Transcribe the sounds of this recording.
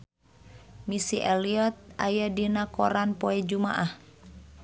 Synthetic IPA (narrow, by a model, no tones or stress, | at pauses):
misiʔɛliɔt̪̚ajadinakɔɾanpɔɛd͡ʒuma̰ʔah